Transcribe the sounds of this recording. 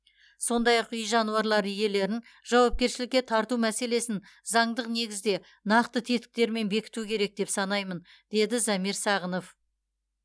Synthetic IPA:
so̞nd̪ɑjɑqʏjʒɑnuɑɾlˠɑɾʏje̞le̞ɾɪn | ʒ̥ɑwɑp̚kʲe̞ɾʃɪlɪkʲːe̞t̪ʰɑɾt̪umæse̞le̞sɪnzɑɴd̪əqne̞ɡʲɪzd̪e̞ | nɑqt̪ət̪ʰe̞t̪ɪ̥k̚t̪e̞ɾme̞nbe̞kʲɪ̥t̪ukʲʰe̞ɾe̞k̚d̪e̞psɑnɑjmən | d̪̥e̞d̪ɪzæmiɾsɑʁəno̞f

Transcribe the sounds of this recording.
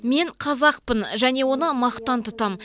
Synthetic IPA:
me̞ɴqʰɑzɑq̚pənʒæne̞wo̞nəmɑqt̪ɑnt̪ʰʊt̪ɑm

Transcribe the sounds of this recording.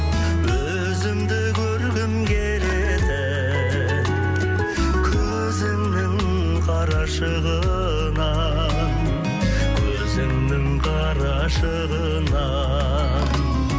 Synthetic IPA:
wɵ | zɪmd̪ɪkʲʰɵɾɡʲɪmkʲʰeɾe | d̪ɪ | kʲʰɵ | zɪŋnɪŋ | qʰɑɾɑʃəʁə | nɑ | n | kʲʰɵzɪŋnɪŋqʰɑ | ɾɑ | ʃəʁə | nɑ

